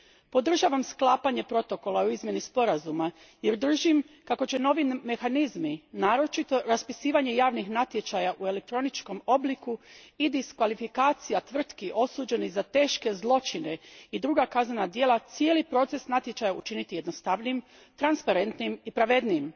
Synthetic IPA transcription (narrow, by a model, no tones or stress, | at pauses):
po̞d̪r̩ʒaʋamsklˠaːpaɲe̞pɾo̞t̪o̞ko̞lˠauizmje̞nispo̞ɾazuma | jeɾd̪r̩ʒim | kako̞t͡ɕe̞no̞ʋinme̞xanizminaːɾo̞t͡ʃit̪o̞ɾaspisiːʋaɲe̞jaːʋnixnat̪je̞t͡ʃajaʔue̞le̞k̚t̪ɾo̞nit͡ʃko̞mo̞blikuid̪iskʋalifikaːt̪sijat̪ʋr̩t̪kiʔo̞suːd͡ʑe̞nizat̪e̞ːʃke̞zlˠo̞t͡ʃine̞id̪ɾuɡakaznanad̪jelˠat̪sijeːlipɾo̞ːt̪se̞snat̪je̞t͡ʃajaṵt͡ʃinit̪ije̞d̪no̞st̪aʋnim | t̪ɾanspaɾe̞nt̪nimipɾaʋe̞d̪niim